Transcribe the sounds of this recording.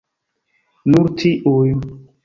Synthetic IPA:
nuɾtʰiʔuj

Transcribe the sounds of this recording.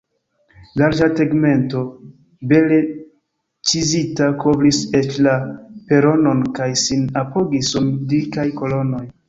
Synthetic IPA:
laɾd͡ʒateɡme̞nto̞ | be̞le̞ | t͡ʃizitakobliset͡ʃlape̞ɾo̞no̞nkajsinapo̞ɡisumdikajko̞lo̞no̞j

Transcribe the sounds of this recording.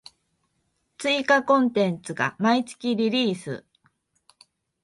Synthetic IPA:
t͡sɨikakõ̞nt̪ẽ̞nt͡sɨɡa̰mait͡sɨ̥kʲiɾʲiɾʲiːsɨ̰

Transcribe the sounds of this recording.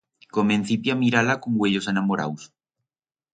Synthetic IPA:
komẽn̟θipjamiɾalakoŋɡweʎosanamoɾa̰ws

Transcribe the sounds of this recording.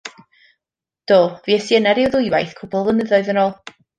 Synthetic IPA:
d̥oːviɛsjənɛɾɪwðʊɨwajθkʰʊbɔlˠvənəðɔɨðənoːlˠ

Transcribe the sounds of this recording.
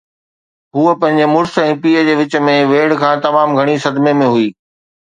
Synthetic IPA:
ɦuəpɐ̃ɦɪ̃ɲ̆d͡ʑemʊɾsɛ̃ːpiːəd͡ʑeːʋɪt͡ɕə̆mẽʋeːɽkʰãːt̪ɐmaːmɡʱɐɽ̃isɐd̪mẽmẽɦuiː

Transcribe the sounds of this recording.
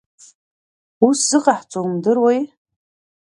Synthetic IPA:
uszɨqʼaħt͡sʼomdɨrwej

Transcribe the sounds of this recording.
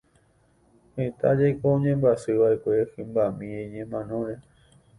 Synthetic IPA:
het̪ad͡ʒajkoõɲẽ̞mbasɨʋae̞kʷe̞hɨ̃mbamĩẽɲẽmãnõ̞ɾe

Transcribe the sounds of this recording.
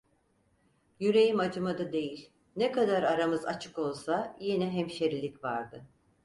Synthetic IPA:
jyɾe̞jimad͡ʒɯmad̪ad̪e̞jilʲ | nɛkad̪aɾaɾamɯza̰t͡ʃʰɯ̥ko̞lˠsajenɛɦɛmʃeɾilʲicvaɾd̪ɯ

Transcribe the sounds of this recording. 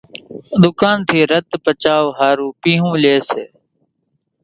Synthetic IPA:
d̪ʊkaːnt̪ʰiːɾət̪pət͡ʃaːʋɦaːɾuːpĩːɦũːleːseː

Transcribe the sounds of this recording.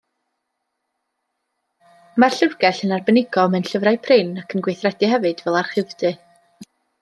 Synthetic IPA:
marɬərɡɛɬənarbənɪɡɔmɛnɬəvrajpʰrɪnakʰənɡwejθrɛdɨhɛvɨd̥vɛlˠar̥χɪðd̥ɨ

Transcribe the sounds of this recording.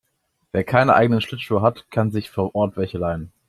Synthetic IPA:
veːɐkʰaɪnəʔaɪɡənənʃlɪtʃuːɐɦatkʰanzɪçfoːɐʔɔːɐtv̥ɛçəlaɪən

